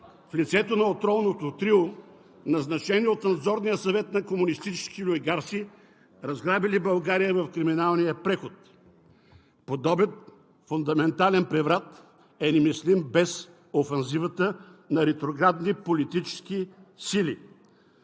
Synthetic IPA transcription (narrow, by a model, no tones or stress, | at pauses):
flit̪sɛt̪onɐot̪ɾɔlˠnot̪ot̪ɾilˠo | nɐznɐt͡ʃɛniot̪nɐd̪zɔɾnijəsɐvɛt̪nɐkomʊnist̪it͡ʃɛ̥skilʊɡaɾsi | ɾɐzɡɾabilibɐlˠɡaɾijəvɐfkɾiminalˠnijəpɾɛxot̪ | pod̪ɔbjət̪ | fʊnd̪ɐmɛnt̪alɛnpɾɛvɾat̪ | ɛnimislimbɛs | ofɛnzivət̪ənɐɾɛt̪ɾoɡɾad̪nipolit̪it͡ʃɛ̥skisilḭ